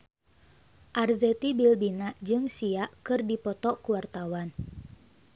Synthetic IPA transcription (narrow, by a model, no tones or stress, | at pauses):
ʔarzɛt̪ibilbinaʔd͡ʒɨŋsiaʔkɨrdipɔt̪ɔkuwart̪awan